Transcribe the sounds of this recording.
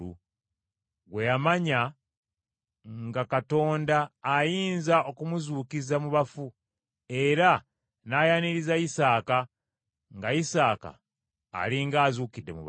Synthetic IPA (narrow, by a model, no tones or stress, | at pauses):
u | ɡwe̞jamaɲa | ŋɡakato̞ːndaːjiːnzaʔo̞kumuzuːkizamuβafu | e̞ɾa | naːjaniɾizaisaːka | ŋɡaisaːka̰ː | liŋɡaːzuːkidːe̞mṵβ